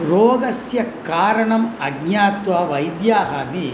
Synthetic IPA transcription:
ɾoːɡɐsjɐkaːɾɐɳɐmɐɡɲaːt̪ʋɐʋɐjd̪jaːɦɐmi

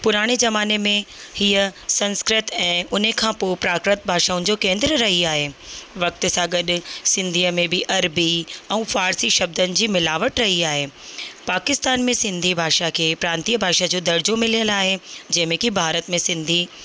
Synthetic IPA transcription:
pʊɾaːɽ̃ezɐmaːnemẽhiəsɐ̃nskɾɪt̪ɛ̃ːʊn̤əkʰãːpopɾaːkɾɪt̪̚bʱaːʃaːʊnɪ̆d͡ʑoːkẽːnd̪ɾəɾɐɦiaːɦeːʋɐk̚t̪ʊsãɡɐɗʊ̆sɪ̃nd̪ʱiːəmẽbɪʔɐɾbiɛ̃ːfaːɾsiʃɐb̚d̪ənɪ̆d͡ʑiːmɪlaːʋəʈɾɐɦiaːɦeːpaːkɪst̪aːnmẽsɪ̃nd̪ʱibʱaːʃakʰeːpɾãːnt̪iːəbʱaːʃad͡ʑoːd̪ɐɾd͡ʑomɪlijəlaːɦed͡ʑɐ̃ɦmẽkibʱaːɾət̪mẽsɪ̃nd̪ʱiː

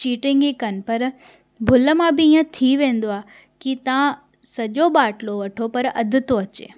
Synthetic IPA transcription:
t͡ʃiːʈɪ̃ŋɡikən̆pɐɾ | bʱʊləmãbɪĩːãt̪ʰiʋẽːn̆d̪oa | kit̪ã | sɐʄoɓaːʈloʋɐʈʰopɐɾɐ̰d̪ʱɪt̪oɐt͡ɕḛː

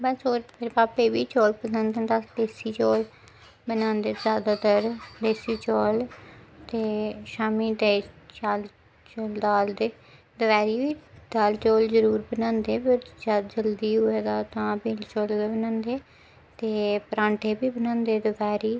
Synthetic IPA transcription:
bəsoːɾɾpaːpeːbiːt͡ʃoːlpəsə̃nd̪ə̃nd̪ad̪eːsiːt͡ʃoːl | bənãːnd̪eːzjaːd̪aːt̪əɾd̪eːsiːt͡ʃoːlt̪eːʃaːmiːd̪eːt͡ʃaːl | t͡ʃoːld̪aːld̪eː | d̪əʋɛːɾiːʋiːd̪̥aːlt͡ʃoːlzəɾuːɾbənãːnd̪eːpəɾd͡ʒaːdd͡ʒəld̪iːɦʊeːd̪aːt̪ãːpiːlt͡ʃoːlɡeːbənãːnd̪eː | t̪eːpəɾãːɳʈʰeːbiːbənãːnd̪eːd̪əʋɛːɾiː

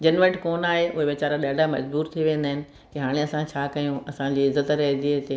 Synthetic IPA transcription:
d͡ʑɐnʋəɾʈkoːnaːɦeʔʊɦeʋɪt͡ɕaːɾaɗaːɖʱamɐd͡ʑbuːɾt̪ʰiʋẽːn̆d̪aːɪnɪ̆ | kiɦaːɽ̃eɐsãt͡ɕʰaːkɐjũɐsãd͡ʑiːɪzət̪ɾɐɦɪ̃nd̪iɦɪt̪eː

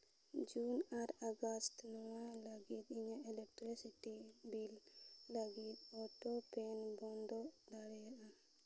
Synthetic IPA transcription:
d͡ʒunaɾaɡast̪nɔwalaɡit̪̚iɲaɛlɛk̚ʈɾisitibillaɡit̪̚ɔʈopɛnbɔnd̪ɔʔd̪aɽɛjaʔa

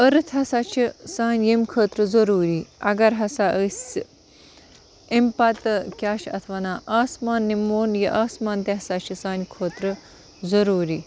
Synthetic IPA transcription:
ɐɾɨt̪ʰɐsat͡ʃʰisaːnʲjemkʰəːt̪ɾɨzɐɾuːɾiːɐɡɐɾɦɐsaʔəsʲ | empat̪ɨkʲaːʃɐ̰t̪ʰʋaːnaːʔaːsmaːnːimoːnjiʔaːsmaːnt̪eɦɐsat͡ʃʰisaːnkʰoːt̪ɾɨ | zɐɾuːɾi

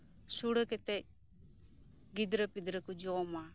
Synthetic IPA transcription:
suɽəkɛt̪ɛc̚ | ɡid̪ɾəpid̪ɾəkud͡ʒɔma

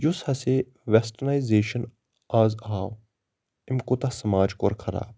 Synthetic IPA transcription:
jʊshɐse | ʋesʈənajzeːʃən | aːzɦaːw | ɪmkot̪ɐsɐmaːd͡ʒko̰ːɾkʰɐɾa̰ːb̚

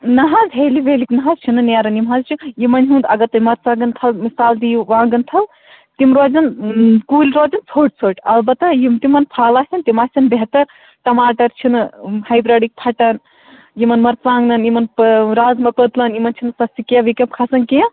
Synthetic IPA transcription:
nɐɦɐzɦeːliʋeːliknɐɦazt͡ʃʰinɨnaːɾɐnimɦazt͡ʃʰijimɐnʲɦũnd̪ɐɡɐt̪ɐmɐɾt͡saːɡɐnt̪ʰɐlmisaːld̪iʋãːŋɡɐnt̪ʰɐl | t̪imɾoːd͡zɐnkuːlʲɾoːd͡zɐnt͡sʰoːʈ̚t͡sʰoːʈɐlbɐt̪ːɐjimt̪imɐnpʰaːlaːsʲɐnt̪imasʲɐnbeɦt̪ɐɾ | ʈɐmaːʈɐɾt͡ʃʰinɨhɐjbɾɐɽik̚pʰɐʈɐn | jimɐnmɐɾt͡sãːŋɡnɐnjimɐnpɾaːzmɐkət̪lɐnjimɐnt͡ʃʰinɨsɐsikeʋikɐmpkʰɐsɐnkiɐ̃

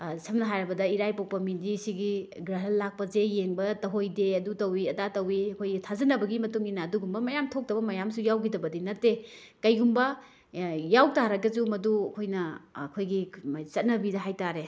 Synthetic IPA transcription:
sʰɐmnɐɦajɾɐbɐdɐiɾajpaw̚pɐmindisiɡiɡɾaɦɐllːak̚pɐzejeŋbɐtɐɦojdeɐdutɐwiɐdatɐwiɐkʰojɡitʰazɐnɐbɐɡimɐtuŋinaːduɡumbɐmɐjamtʰok̚tɐbɐmɐjamsujawɡidɐbɐdinɐtːe | kɐjɡumbɐ | jawtaɾɐɡɐd͡ʒumɐduɐkʰojnɐːkʰojɡit͡ʃɐt̚nɐbidɐɦajtaɾe

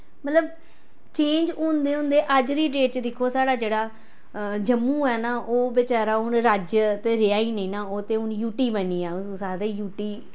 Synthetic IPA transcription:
mət̪ləb | t͡ʃẽːɲd͡ʒõːnd̪eːɦʊ̃nd̪eːʔəd͡ʒɾiːɖeːʈ̚t͡ʃd̪ɪkʰːoːsaːɽaːd͡ʒeːɽaː | d͡ʒəmːũːɛːnaːʔoːbɪt͡ʃaːɾaːʊnɾaːd͡ʒt̪eːɾɪjaːiːnəĩːnaːoːt̪eːʊnjuːʈiːbəniːɛːʊsaːd̪eːjuːʈiː

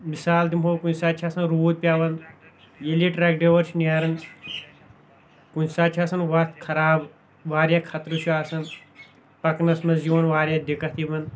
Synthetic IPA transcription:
misaːld̪imɦoːkunʲsaːt͡ʃʰaːsɐnɾoːd̪̚pʲjaːʋɐn | jeliʈɾɛkɖeʋɐɾt͡ʃʰniaɾɐn | kunsaːt͡ʃʰaːsɐnʋɐt̪kʰɐɾaːb | ʋaːɾjaːkʰɐt̪ɾuʃʰuaːsɐn | pɐknɐsmɐzjoːnʋaːɾjad̪ikɐt̪ʰibɐn

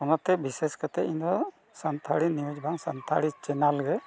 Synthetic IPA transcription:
ɔnɔt̪ɛbiseskat̪ɛind̪ɔ | sant̪ʰaɽiniwud͡ʒbʱaŋsant̪ʰa̰ɽit͡ʃɛnalɡɛ

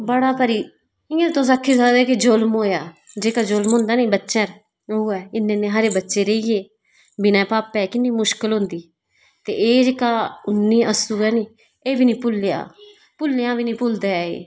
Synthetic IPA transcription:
bəɽaːpəɾiː | ĩːet̪õːs̬aːkʰːiːs̬ad̪ɛːkɪd͡ʒolmoːjaːd͡ʒeːkaːd͡ʒolmɦõːnd̪aːnĩːbətːʃɛ̃ːɾ | uɛːɪnːẽːnẽːɦəɾeːbətːʃeːɾeiːjeː | bɪnɛ̃ːpaːpɛːkɪnːiːmʊʃkɪlɦʊ̃ːnd̪iː | t̪ḛːʔeːd͡ʒeːkaːʊnːiːʔəsuːɛːniː | eːbiːnĩːpʊlːɪja̰ː | pʊlːjãːbiːnĩːpʊld̪aːḛː

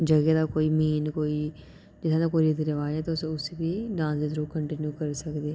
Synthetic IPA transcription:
d͡ʒəɡed̪aːkoːiːmiːnkoːiː | d͡ʒɪt̪ʰːãːd̪akoːiɾɪd̪ɾəʋaːɛːt̪oʊsʊsebiːɖãːnd̪eːd̪ɾuːkəɳʈɪnjuːkəɾsəkd̪eː

